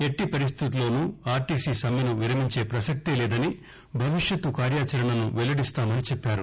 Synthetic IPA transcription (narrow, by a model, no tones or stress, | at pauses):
e̞ʈːipɐɾist̪ʰit̪ulo̞ːnuːaːɾʈiːsiːsɐmjɐnuʋiɾɐmiɲt͡ʃe̞ːpɾɐsɐk̚t̪ilɛːd̪ɐni | bʱɐʋiʂjɐt̪ːukaːɾjaːt͡ʃɐɾɐɳɐnuʋɛlɐɽist̪aːmɐnit͡ʃɛpːaːɾu